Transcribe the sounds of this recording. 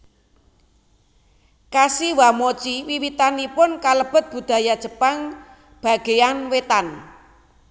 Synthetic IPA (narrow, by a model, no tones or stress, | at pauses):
kasiwamot͡ʃiwiwit̪anipʊnkaləb̥ə̤t̪̚b̥ṳd̪̥a̤jḁʒ̥ə̤paŋ | b̥a̤ɡ̥e̤anwet̪an